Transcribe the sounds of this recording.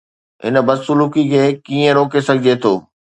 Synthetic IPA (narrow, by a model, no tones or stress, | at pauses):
ɦɪ̰nə̆bɐsʊluːkikʰeːkiːə̃ɾoːkesɐɡʱɪd͡ʑet̪ʰoː